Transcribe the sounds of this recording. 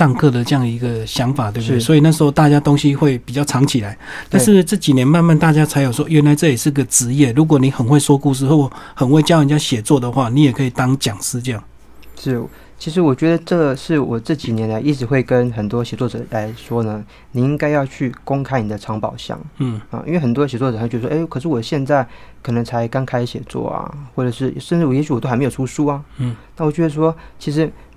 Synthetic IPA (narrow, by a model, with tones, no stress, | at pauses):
ɑ˥˧ŋkʰɤ˥˧d̪ə˩ʈ͡ʂɤ˥˧jɑ˥˩ŋd̪ə˩i˧˥ɡə˧ɕjɑ˧˥ŋfa˨˩t̪we˥˧bsɔ˧˥i˨˩na˥˩ʂ̩˧˦xo˧ʊt̪a˥˧t͡ɕja˥t̪o˥ŋɕi˦xwe˥˩ɪpi˨˩t͡ɕjɑ˥˩ʊɑ˧˥ŋt͡ɕʰi˨˩la˨˦ɪt̪a˥˧nʂ̬ɻ̩˥˩ʈ͡ʂɤ˥˩t͡ɕi˨˩njɛ˧˦˥nma˥˧nma˥˨nt̪a˥˨˩t͡ɕja˥t͡sʰa˧˥ɪjo˨˩ʊʂwɔ˥ɥɛ˧˥nla˧˥ɪt͡sɤ˥˩jɛ˨˩ʂɻ̩˥˩i˧˥ɡə˨ʈ͡ʂɻ̩˧˦jɛ˥˩ɻu˧˥k̬wɔ˨˩ni˨˥xə˨˩nxwe˥˩ɪʂwɔ˥ku˥˧ʂ̬̩˥˩xo˧˥wɔ˨˩xə˨˩nwe˥˩ɪt͡ɕjə˨nt͡ɕja˥ɕjɛ˨˩t͡swɔ˥˩d̪ə˩xwa˥˩ni˧˥jɛ˨˩kʰi˨˩t̪ɑ˥ŋt͡ɕjɑ˨˩ŋsɹ̩˥ʈ͡ʂjɑ˥˩ŋ | ʂɻ̩˥˩ | t͡ɕʰi˧˥ʂ̬ɻ̩˧˥wɔ˨˩t͡ɕɥɛ˧˥d̪ə˧ʈ͡ʂɤ˥˩˨ʂɻ̩˥˩wɔ˨˩ʈ͡ʂɤ˥˩t͡ɕi˨˩njɛ˧˥nla˧˥ɪʔi˥˩ʈ͡ʂɻ̩˧˥xwe˥˩ɪkə˦˥nxə˨˩nt̪wɔ˦ɕjɛ˨˩t͡swɔ˥˩ʈ͡ʂɤ˨˩la˧˥ɪʂwɔ˥nə˨ | ni˨˩i˦˥ŋka˥ɪjɑ˥˧ʊt͡ɕʰy˥˩ko˥ŋkʰa˥ɪni˨˩d̪ə˦ʈ͡ʂʰɑ˧˥ŋpɑ˨˩ʊɕjɑ̰˥˩ŋ̩˥˩a̰˨ʔḭ˥nwe˥˩xə˨˩nt̪wɔ˥ɕjt͡swɔ˥˩˧t͡ɕɥ̪ə˧˩wɔ˥e˥˩kʰɤ˨˩ʂ̬ɻ̩˥˩wɔ˨˩ɕjɛ˥˧nt͡sa˥˩ɪkʰɤ˨˩nɤ˧˥ŋt͡sʰa˧˥ɪka˥nkʰa˥ɪɕjɛ˨˩t͡swɔ̰˥˩ɐ̰˨˩xwɔ˥˩ʈ͡ʂɤ˨˩ʂɻ̩˥˩ʂə˥˧nʈ͡ʂɻ̩˥˩˨jɛ˧˥ɕ̬y˧˥wɔ˨t̪o˥xm˧˥jo˨˩˨u˥ʂu˥ɐ˨˥˨na˥˩wɔ˨˩t͡ɕɥɛ˧˥ə˧ʂ̬wɔ˥t͡ɕʰi˧˥ʂɻ̩˧˥